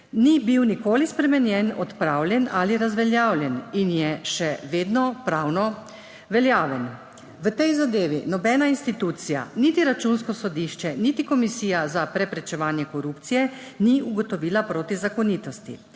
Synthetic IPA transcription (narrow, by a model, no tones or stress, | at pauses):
nibiwnikoːlispɾɛmɛnjɛnɔt̪pɾaːwlʲjɛnaliɾazʋɛljaːwlʲjɛninjɛʃɛʋeːd̪nɔpɾaːwnɔ | ʋɛljaːʋɛn | ʋət̪ɛjzad̪eːʋinɔbɛnainst̪it̪uːt̪sija̰nit̪iɾat͡ʃunskɔsɔd̪iʃt͡ʃɛnit̪ikɔmisiːjazapɾɛpɾɛt͡ʃɛʋaːnjɛkɔɾupt̪sijɛ | niuɡɔt̪ɔʋiːlapɾoːt̪izakɔniːt̪ɔst̪ḭ